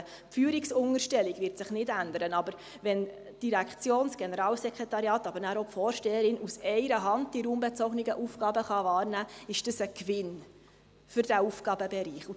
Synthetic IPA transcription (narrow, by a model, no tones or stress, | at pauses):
pfyːəɾiksʊŋəɾʃtɛliɡʋɪɾtsɪχnɪdænd̪əɾənɑbəɾ | ʋɛn | tiɾækt͡sjoːnsɡ̥ɛnəɾɑːlsɛkχetɑɾjɑːt̪ɑbəɾnæːɾopfɔːɾʃtɛːəɾɪnusɛɪɾəɦɑnd̚d̥iɾuːmbɛt͡sɔɡniɡəʔufɡ̥ɑːbəχɑvɑːɾnæːɪʃd̥əsəkʋɪn | fʏɾd̥æufɡ̥ɑːbəbɛɾiːχu